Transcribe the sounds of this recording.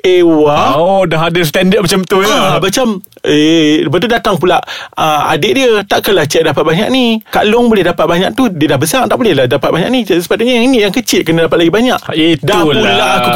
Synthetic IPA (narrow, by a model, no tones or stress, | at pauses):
ewaoʔodaɦadəst̪ɛndətmat͡ʃamt̪uamat͡ʃam | esəpat̪̬udat̪aŋpulaʔəa̰dɪʔ̚diət̪aʔkəlaht͡ʃɛʔ̚dapat̪̚baɲa̰k̚nikalʊŋbolɛhdapat̪̚baɲaʔ̚t̪udiədahbəsaŋt̪aʔbolɛhlahdapat̪̚baɲaʔnisə̥pat̪uɲajaŋiniʔjaŋkət͡ʃɪʔ̪̚kənədapat̪̚laɡibaɲaʔidahpulaʔaku